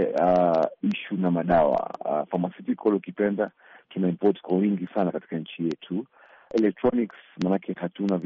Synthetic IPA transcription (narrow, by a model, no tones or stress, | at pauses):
aiʃunamaɗawa̰famasitikwɔlɔukipɛnda | tunaimpɔtkwawiŋɡisanakati̥kaɲ̩t͡ʃijɛtʰu | ɛlɛk̚tɾɔniksmanakʰɛhatunav